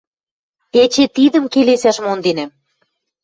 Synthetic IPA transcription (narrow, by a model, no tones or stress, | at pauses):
et͡ɕet̪id̪ə̆mkelesæʃmond̪enæm